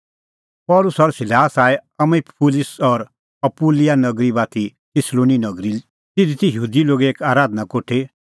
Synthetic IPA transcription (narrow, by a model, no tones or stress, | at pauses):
pɔːlʊsɔɾsɪlaːsaːeɐmepʰulɪsɔɾ | ɐpuːlijanɐɡɾibaːt̪ʰi | t̪ʰɪsloːninɐɡɾi | t̪ɪd̪it̪ijɦuːd̪iloːɡeeːkaːɾaːd̪nakoːʈʰe